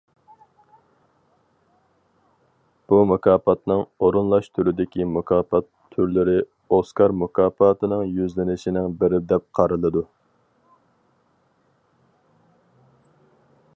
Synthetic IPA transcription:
b̥umukʰɑːpɑt̪nɨŋoɾunlˠɑʃt̪ʰyɾɪd̪ɪkʲimʊkʰɑːpɑt̪ʰːyɾlɪɾɪ | oskɑɾmʊkʰɑːpɑːt̪ʰɨnɨŋjyzlɪnɪʃinɪŋbɪɾɪd̪ɛp̚qʰɑɾɨlˠɨd̪u

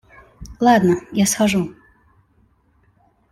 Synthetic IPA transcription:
lˠad̪nɐjaskaʐu

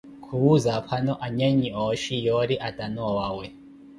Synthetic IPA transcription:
kʰuwuzapʰanɔʔaɲɛɲiɔʃijɔɾiʔatʼanɔwaːwɛ

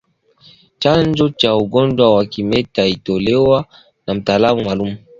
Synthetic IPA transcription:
t͡ʃand͡ʒɔt͡ʃauɡɔnd͡ʒwawakimɛtaitɔlɛwa | nam̩taːlamumalumu

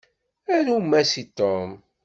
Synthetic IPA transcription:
ænumːæsit̪om

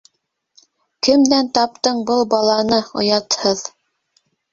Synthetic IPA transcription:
kɘ̆md̪ænt̪ɑp̚t̪ɤɴbɤlˠbɑlˠɑnɤŏ̰jɑt̪hɤð

